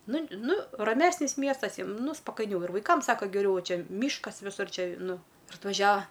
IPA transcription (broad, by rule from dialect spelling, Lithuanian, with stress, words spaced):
ˈnʊ ˈnʊ rɐˈmʲæːsʲnʲɪs ˈmʲiɛstɐs ˈjiɛm ˈnʊ spɐkɐɪˈnʲɛʊ ɪr ʋɐɪˈkɐm ˈsɑːkɐ ɡʲɛˈrʲɛʊ ˈʋɐ ˈt͡ʃʲɛ ˈmʲiːʃkɐs ʋʲɪˈsʊr ˈt͡ʃʲɛ ˈnʊ ɪr ɐtʋɐˈʒʲæːʋɐ